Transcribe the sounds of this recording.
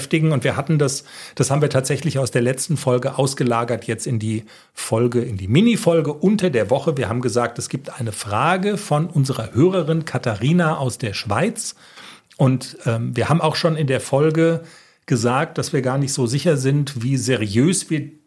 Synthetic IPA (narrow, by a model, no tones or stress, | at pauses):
ftɪɡŋ̩ʊntv̥iːɐhatn̩dasd̥ashaːbm̩viɐtʰaːtz̥ɛçlɪçaʊsd̥eːɐlɛt͡stn̩fɔlɡəʔaʊsɡ̥əlaːɡɐtʰjɛt͡stɪndiː | fɔlɡəɪndiːmɪnifɔlɡəʔʊntɐdeːɐvɔχəviːɐhaːbm̩ɡəzaːk̚tɛsɡ̥iːp̚tʔaɪnəfʁ̥aːɡəfɔnʔʊnzəʁɐhøːʁɐʁɪnkʰatʰaʁiːnaʔaʊsd̥eːɐʃv̥a̰ɪt͡s | ʔʊntʔɛːmviːɐhaːbm̩aʊxʃoːnɪndeːɐfɔlɡə | ɡ̥əzaːk̚t̚d̥asv̥iːɐɡaːɐnɪçtz̥oːzɪçɐzɪntv̥iːzeʁiøːsv̥iːɐ